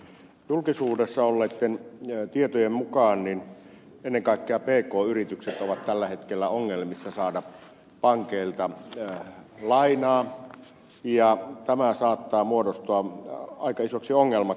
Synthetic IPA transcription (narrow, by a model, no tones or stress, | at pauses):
julkisuːdesːɑolːeːt̪ːent̪iet̪ojemmukɑːnnin | enːeŋkɑˑikːeɑpeːkoːyrit̪ykset̪oʋɑt̪t̪ælːæhet̪kelːæoŋːelmisːɑsɑːdɑ | pɑŋkeilt̪ɑ | lɑinɑː | jɑt̪æmæsɑːt̪ːɑːmuodost̪oɑɑikɑisoksioŋːelmɑ